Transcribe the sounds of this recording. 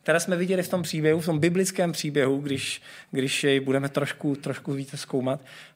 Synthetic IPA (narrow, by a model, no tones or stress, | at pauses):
t̪ɛɾɛːsmɛvɪɟɛlɪft̪o̞mpr̝̥iːbjɛɦuft̪o̞mbɪblɪt͡skɛːmpr̥iːbjɛɦuɡdɪʃɡdɪʃjɛjbudɛmɛt̪ɾoʃkut̪ɾoʃkuviːt͡sɛskowmat̪